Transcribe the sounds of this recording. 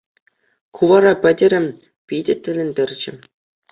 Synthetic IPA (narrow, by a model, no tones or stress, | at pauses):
kʰuʋɑɾɑpʲɘ̆dʲɘ̆ɾʲɘ̆m | pʲidʲɘ̆tʲːɘ̆lʲɘ̆nʲdʲɘrʲd͡ʑɘ̆